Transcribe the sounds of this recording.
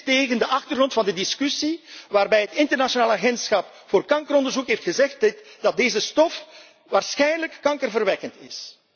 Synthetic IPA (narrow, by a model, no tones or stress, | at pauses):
teːɣəndəʔɑxtərɣrɔntfɑndədɪskysiʋaːrbɛjɦətɪntərnaʃonaːlaːɣɛntsxɑp | foːrkɑŋkəɾɔndərzukɦeːftxəzɛxtd̥ɑt̚deːzəstɔf | ʋaːrsxɛjnələkːɑŋkərvərʋɛkəntɪ̰s